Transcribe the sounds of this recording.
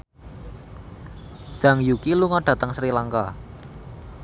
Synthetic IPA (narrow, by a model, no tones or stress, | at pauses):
z̥aŋjukiluŋaɖ̥ä̤t̪əŋsɾilaŋka̰